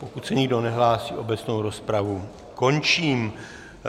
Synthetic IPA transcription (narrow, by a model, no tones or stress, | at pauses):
pokut̪sɛɲɪɡdo̞nɛɦlaːsḭːʔo̞bɛt͡sno̞wɾo̞spɾavu | ko̞nt͡ʃiːm